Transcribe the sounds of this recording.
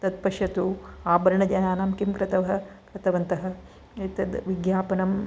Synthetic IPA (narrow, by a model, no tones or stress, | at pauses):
t̪ɐt̪̚pɐʂjɐt̪uaːbɐɾɐɳɐd͡ʒɐjaːnaːmkimkɾɪt̪ɐʋɐɦɐkɾɪt̪ɐʋɐnt̪ɐɦɐ̆ | t̪ɐd̪ʋiɡjaːpɐnɐm